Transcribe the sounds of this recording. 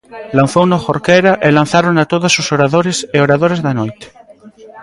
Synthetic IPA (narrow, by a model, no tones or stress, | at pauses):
lãn̟θownoxoɾkeɾaʔelãn̟θaɾonat̪oðasːusoɾaðoɾeseoɾaðoɾezðanojt̪e̥